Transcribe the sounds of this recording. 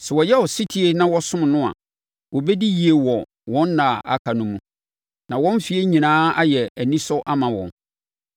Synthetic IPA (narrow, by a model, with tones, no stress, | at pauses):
sɛ˨wɔ˨jɛ˦wɔ˨si˦tʰi˨˦e˦nã˦wɔ˦sʊ̃˦m˨nʊ̃˦a̰˨ | wɔ˨bɛ˦di˦ji˨e˨wɔ˨ | wɔ̃˦nː˦ã˨a̰˨kʰa˨nʊ̃˦mũ˦ | nã˨wɔ̃˦n˦fi˨˦e˦ɲĩ˨nãː˦a˦jɛ˨æ˨nĩ˦sɔ˦ʔa˦mã˨wɔ̰̃˨n